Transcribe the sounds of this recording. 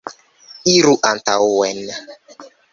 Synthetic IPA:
iɾuʔantauwɛna

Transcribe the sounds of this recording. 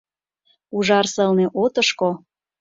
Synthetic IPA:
uʒɑrsɤlneʔot̪əʃko

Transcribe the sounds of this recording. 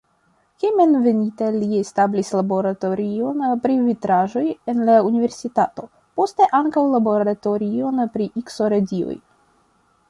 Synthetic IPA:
kemenve̞nitalie̞stablislabo̞ɾato̞ɾio̞npɾivitɾaʒo̞je̞nlaunive̞ɾsitato̞ | po̞ste̞ʔaŋkawlabo̞ɾato̞ɾio̞npɾiʔikso̞ɾedio̰j

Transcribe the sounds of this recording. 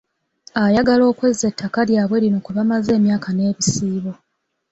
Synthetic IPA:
ajaɡalo̞ːkwezːetʰːakaljaːβwe̞ɾino̞kuβamaze̞ːmjaːkane̞ːβisiːβo̞

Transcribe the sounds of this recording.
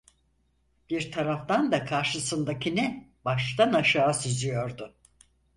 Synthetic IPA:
b̥iɾt̪ʰaɾaft̪and̪akʰaɾʃɯsɯnd̪acʰinɛbaʃt̪anaʃaːsyzyjo̞ɾd̪ʊ

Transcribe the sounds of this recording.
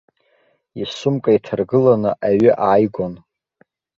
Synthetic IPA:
isʊmkʼaitʰarɡɨlanɨʔaɥʏʔaːjɡʷon

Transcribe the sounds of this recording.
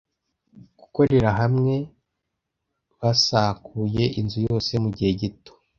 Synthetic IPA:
ɡ̥uko̞ɾe̞ɾaɦamŋe̞ | βasakuje̞ʔinzujo̞ːse̞muɟihe̞ɟito̥

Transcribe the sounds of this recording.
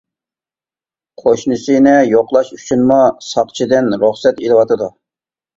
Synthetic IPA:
qʰoʃnɨsɨnɪjoqlˠɑʃyt͡ʃʰynmusɑqt͡ʃʰid̪ɪnɾʊχsɛt̪elˠɨwɑt̪ɨd̪u

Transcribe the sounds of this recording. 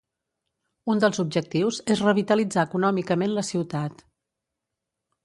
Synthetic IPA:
und̪əlˠzub̚ʒək̚t̪iwzezrəβit̪əlid͡zaːkunɔmikəmenləsiwt̪at̪

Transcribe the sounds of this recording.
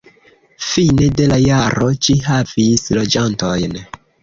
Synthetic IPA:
fine̞de̞lajaɾo̞t͡ʃiɦavislo̞d͡ʒanto̞jn

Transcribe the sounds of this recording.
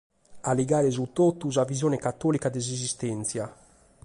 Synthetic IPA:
aliɡaːɾɛzut̪ːot̪ːuzavizjɔːnɛkat̪ːɔːlikad̪ɛzizist̪ɛnt̪sja

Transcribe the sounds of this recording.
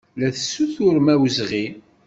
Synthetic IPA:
læθə̥sːuθʊɾmæwzʁi

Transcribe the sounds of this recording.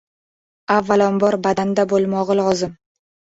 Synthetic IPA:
avːalɒnbɒɾbad̪and̪abolˠmɒʁɨlɒzɪm

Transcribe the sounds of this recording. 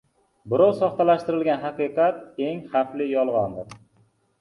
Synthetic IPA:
bɪɾɒwsɒχt̪alaʃt̪ɪɾɪlɡʲanɦaqɨqɑt̪̚eŋχaflɪjɒlˠʁɒnd̪ɪɾ

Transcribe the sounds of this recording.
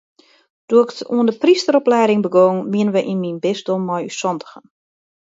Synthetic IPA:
d̥oəɪkətuəndəpristəɾɔplɛjdɪŋbəɡoːŋmiənəʋəʔinminbɪsdomːɔjy̰sɔntə̥xən

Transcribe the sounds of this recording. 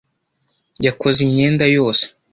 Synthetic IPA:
jakozimɲeːndajo̞ːse̥

